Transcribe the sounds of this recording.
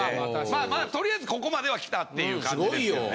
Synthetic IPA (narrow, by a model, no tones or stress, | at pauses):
maːmaːt̪o̞ɾʲijaizɨko̞ko̞mad̪e̞β̞akʲi̥t̪at̪ːe̞jɯ̟ːkaɡoijo